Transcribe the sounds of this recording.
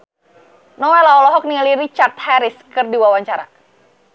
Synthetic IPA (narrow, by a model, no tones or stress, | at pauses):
nɔwɛlaɔlɔɦɔk̚nialiɾit͡ʃart̪̚hɛɾiskɨrdiwawaɲt͡ʃaɾa̰